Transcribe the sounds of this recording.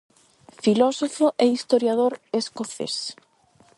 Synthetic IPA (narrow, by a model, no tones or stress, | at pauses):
filɔsofoʔeist̪oɾjaðoɾeskoθḛs